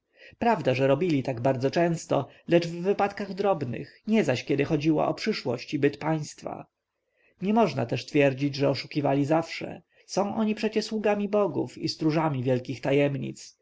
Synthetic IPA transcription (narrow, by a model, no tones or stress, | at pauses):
pɾavd̪aʐɛɾɔbʲilʲit̪aɡbaɾd̪zɔt͡ʂɛ̃w̃st̪ɔ | lɛd͡ʐvːɘpat̪kaɣd̪ɾɔbnɘ̰xɲɛzaɕkʲɛd̪ɘxɔd͡ʑiwa̰ʔɔpʂɘʂwɔɕt͡ɕibɘt̪paj̃st̪fa̰ | ɲɛmɔʐnat̪ɛʂst̪fʲjɛɾd͡ʑid͡ʑʐɛɔʂukʲivalʲizafʂɛ̰ | sɔ̃w̃ʔɔɲipʂɛt͡ɕɛswuɡamʲibɔɡṵfist̪ɾuʐamʲivʲjɛlkʲixt̪ajɛmɲḭt̪s